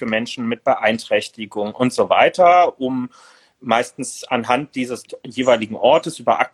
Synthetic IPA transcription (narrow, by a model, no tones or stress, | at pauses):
əmɛnʃn̩mɪt̚b̥əʔaɪntʁ̥ɛçtɪɡʊŋʔʊntz̥ova̰ɪtɐʔʊmː | aɪstn̩sanɦant̚d̥iːzəsjeːvaɪlɪɡŋ̩ʔɔɐtəsʔyːbɐʔa̰k̚